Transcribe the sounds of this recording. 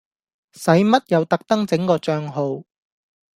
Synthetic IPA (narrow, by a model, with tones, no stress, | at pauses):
sɐ˨˥jmɐ˥t̚jɐ˨˧wt̪ɐ˥k̚t̪ɐ˥ŋt͡sɪ˨˥ŋkɔː˧t͡ʃœː˧ŋɦo˨˧w